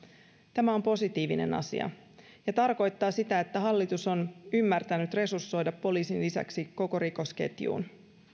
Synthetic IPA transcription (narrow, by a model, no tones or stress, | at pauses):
t̪æmæo̞mpo̞sit̪iːʋine̞̰nɑ̰sḭɑ̰ | jɑt̪ɑrko̞jt̪ːɑːsit̪æe̞t̪ːæɦɑlːit̪uso̞nymːært̪ænyt̪re̞sursːo̞jdɑpːo̞liːsinlisæ̰ksiko̞ko̞ɾiko̞sk̟e̞̰t̪jṵːn